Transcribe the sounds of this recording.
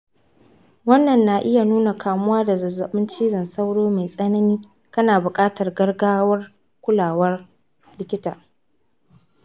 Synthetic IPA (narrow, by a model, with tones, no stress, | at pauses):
wɐ˦nːɐ˨nːa˨ʔɪ˦ja˨nuː˦na˨kʰaː˨mʊ˦waː˦da˨zɐ˨zːɐ˨ɓɪ˦nt͡ʃiː˦zɐ˨nsɐ˦wɽoː˦ma˨jsʼɐ˦nɐ˦niː˦ | kɐ˦naː˨bʊ˨kʼaː˦tɐ˨rɡɐ˦rɡaː˦wɐ˦r | kʷʊ˦laː˨wɐ˦r | lɪ˦kʲɪ˦taː˨